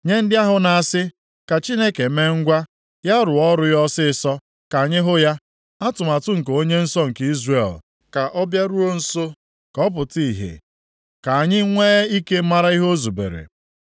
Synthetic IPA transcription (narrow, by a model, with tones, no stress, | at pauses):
ɲe˦n̩˦dɪ˦a˦ɦʊ˨na˨a˨sɪ˦ | ka˨t͡ʃi˦ne˦ke˨˦me˦ŋ̩˦ɡʷa˦ | ja˦ɾʊ˨ɔ˦ɾʊ˦jɔ˦sɪ˦sɔ˦ | ka˨ɲɪ˦ɦʊ˦ja˦ | a˦tʊ˨ma˨tʊ˦ŋ̩˨k̬o˦ɲe˦n̩˦sɔ˦ŋ̩˨ki˦zre˨l | ka˨ʔɔ˦bja˦ɾu˦o˦n̩˦so˦ | kɔ˦p̬ʊ˨ti˦˨ɦḛ˨ | ka˨a˨ɲɪ˦ŋʷe˦i˦ke˦ma˦ɾa˦i˦ɦo˦o˦zu˨bḛ˨ɾḛ˨